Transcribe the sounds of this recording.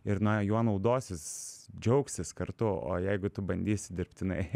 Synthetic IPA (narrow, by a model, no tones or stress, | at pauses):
ɪɾnɐjuɔnɐʊd̪oːsʲɪsd͡ʒʲɛʊksʲɪskɐɾt̪ʊo̰ːjɛɪɡʊt̪ʊbɐnʲd̪ʲiːsʲd̪ʲɪrp̚ʲt̪ʲɪnɐɪ